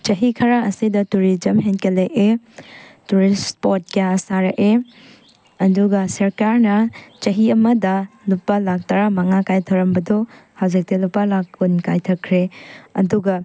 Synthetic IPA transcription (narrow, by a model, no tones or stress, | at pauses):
t͡ʃɐɦikʰɐɾaɐsidɐtuɾid͡ʒɐmɦenkeleʔe | tuɾispot̚kjasaɾɐʔe | ɐduɡɐsɐɾkaɾnɐt͡ʃɐɦiɐmɐdɐlupːalak̚tɐɾamɐŋakajtʰɐwɾɐmbɐdohawzik̚tilupːalakːunkajtʰɐkʰɾeɐ̰duɡɐ